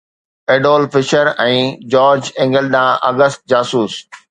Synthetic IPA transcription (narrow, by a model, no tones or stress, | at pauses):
eːɖoːlfɪʃəɾɛ̃ːd͡ʑɔːɾd͡ʑɛ̃ŋɡəlɗ̪ãʔɐɡəst̪̚d͡ʑaːsuːs